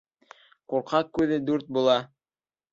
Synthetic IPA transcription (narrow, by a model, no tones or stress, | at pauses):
quɾqɑqːʉðɘd̪ʉɾt̪̚bulˠɑ